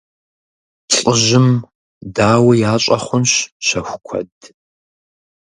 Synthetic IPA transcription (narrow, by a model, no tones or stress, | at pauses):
ɬʼɨʒɪm | daːwɐjaːɕʼɐχʷʊnɕʃɐxʷʊkʷʰɐ̰d